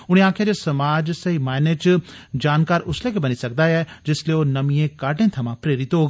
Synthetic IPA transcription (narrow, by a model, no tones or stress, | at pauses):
ʊɽ̃ẽãːkʰjad͡ʒesɐmaːd͡ʒsɐɦimaːɪnet͡ʃ | d͡ʒaːnkaːɾʊslekebɐnisɐk̚d̪ajɛd͡ʒɪslieonɐmĩẽkaːʈẽt̪ʰɐmãpɾeːɾɪt̪ɦoːɡ